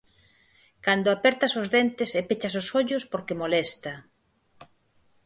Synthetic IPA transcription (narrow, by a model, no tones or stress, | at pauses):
kand̪oapɛɾt̪asozðent̪ɪsepet͡ʃasosoʎʊspoɾkemolɛst̪a